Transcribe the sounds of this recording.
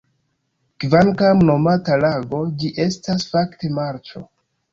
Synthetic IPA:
kvankamno̞matalaɡo̞d͡ʒiʔe̞stasfakte̞maɾt͡ʃo̞̰

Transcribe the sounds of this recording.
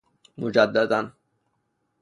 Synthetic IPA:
mʊd͡ʒad̪ːad̪an

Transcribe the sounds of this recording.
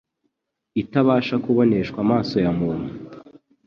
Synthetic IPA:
itaβaːʃakuβo̞ne̞ʃkwamaːso̞jamumu

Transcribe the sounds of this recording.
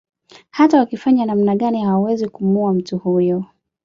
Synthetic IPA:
hatawakifaɲanamnaɠanihawawɛzikumuam̩tuhujɔ

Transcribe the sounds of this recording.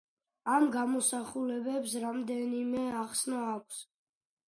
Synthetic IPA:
amɡamɔsaχulɛbɛpsɾamd̪ɛnimɛaχsnɔakʷʰs

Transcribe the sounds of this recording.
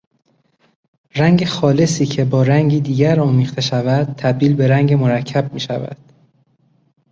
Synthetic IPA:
ræŋɟe̞xɒːle̞siːcʰebɒːɾæŋɟiːd̪iːɟæɾɒːmiːxt̪ʰe̞ʃævæd̪̥̚t̪ʰæb̚d̪iːlbe̞ɾæŋɟemoɾæcʰːæb̚miːʃævæ̰d̪̥

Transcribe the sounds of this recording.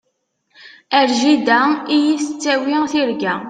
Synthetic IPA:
æɾʒid̪æijisət͡sːæwiθiɾɡæ

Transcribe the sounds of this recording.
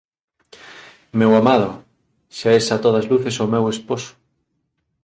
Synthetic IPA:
mewamað̞o | ʃaesat̪oð̞ɐzluθesomewesposo̥

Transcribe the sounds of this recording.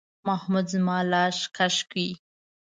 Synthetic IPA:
mahmud̪zmɑlɑʃkaʃki

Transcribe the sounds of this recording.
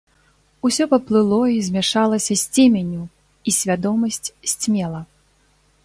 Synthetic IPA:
usʲɔpɐplˠɨlˠɔizʲmʲaʂalˠɐsʲɐsʲt͡sʲɛmʲenʲu | isʲvʲad̪ɔmɐsʲt͡sʲsʲt͡sʲmʲɛlˠɐ

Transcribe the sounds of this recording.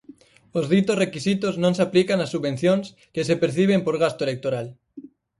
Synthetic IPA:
ozðit̪osrekisit̪oznõnsaplikanasːuββẽn̟θjons | kesepeɾθiβ̞empoɾɣ̞ast̪oelek̚t̪oɾal

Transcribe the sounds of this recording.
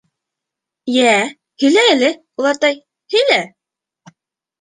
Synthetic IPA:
jæ | hɵ̆læælɘ | ulˠɑt̪ɑj | hɵ̆læ

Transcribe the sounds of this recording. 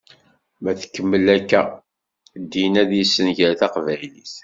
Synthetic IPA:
mæθə̥kːəmːəlækːæ | d̪inæðjisːənʝəɾθɑqvæjliθ

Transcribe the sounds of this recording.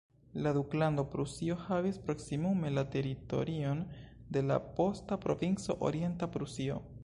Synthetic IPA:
laduklando̞pɾusio̞havispɾo̞ksimume̞late̞ɾito̞̰ɾio̞n | de̞la̰po̞stapɾo̞̰vint͡so̞̰ʔo̰ɾie̞ntapɾusio̞̰

